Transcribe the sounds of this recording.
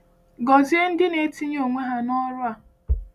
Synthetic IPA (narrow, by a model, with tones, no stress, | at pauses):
ɡɔ˨zi˦e˦n̩˦dɪ˦ne˨˦ti˦ɲ˦o˨ŋʷe˦ɦa˨nɔ˦ɾʊ˦a˨